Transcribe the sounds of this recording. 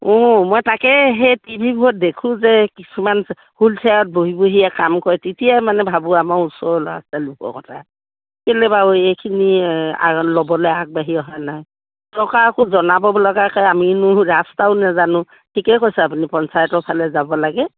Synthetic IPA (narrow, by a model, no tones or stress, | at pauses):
ɔmɔjtakɛɦejtibʱibuɦɔt̚dekʰũzɛkisuman | hultʰaɹɔt̚boɦiboɦijakamkɔɹɛtitijamanɛbʱabuamausɔɹla̰stalukɔ̰kɔtʰa | kelɛbaojejkʰinia̰lɔbɔlɛak̚baɦiɔɦanaj | tɔkaɹkʊzɔnabɔbɔlɔɡakajaminʊɹastaʊnazanʊ̃ | tʰikɛkojsɛapunipɔnsajɔtɔpʰalɛzabɔlaɡɛ